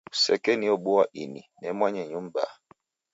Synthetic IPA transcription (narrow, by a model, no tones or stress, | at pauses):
usɛ̰kɛniɔɓoaʔininɛmwaɲɛɲumba̰